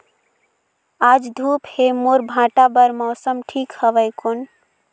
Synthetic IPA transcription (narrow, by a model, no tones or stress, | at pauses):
ad͡ʒd̪ʱuphemoɾbʱãʈabəɾmɔsəmʈʰikhəʋəɪkon